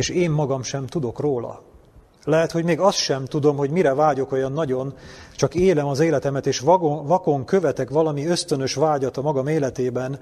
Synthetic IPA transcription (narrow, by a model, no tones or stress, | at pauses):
eːʃeːmːɒɡɒmʃɛmt̪ud̪o̞kroːlɒ̰ | lɛɦɛt̪ho̞ɟmeːɡɒst̪ʃɛmt̪ud̪o̞mɦo̞ɟmiɾɛvaːɟo̞ko̞jɒnːɒɟo̞nt͡ʃɒkeːlɛmɒzeːlɛt̪ɛmɛt̪eːʃvɒko̞ŋkø̞vɛt̪ɛkʋɒlɒmiø̞st̪ø̞nø̞ʃʋaːɟɒt̪ɒmɒɡɒmeːlɛt̪eːbɛn